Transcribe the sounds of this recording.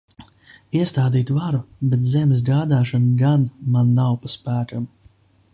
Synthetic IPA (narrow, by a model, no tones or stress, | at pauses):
iɛst̪aːd̪iːt̪vaɾubɛt̪̬zɛmsɡaːd̪aːʃanɡanmanːawpaspæːkam